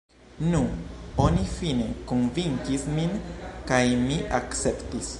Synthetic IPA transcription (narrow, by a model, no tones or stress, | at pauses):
nuo̞nifine̞konviŋkisminkajmiʔakt͡se̞ptis